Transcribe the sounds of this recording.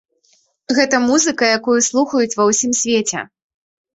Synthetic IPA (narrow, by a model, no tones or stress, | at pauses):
ɣɛt̪ɐmuzɨkɐjakujuslˠuxɐjut͡sʲvɐwsʲimsʲvʲet͡sʲɛ̰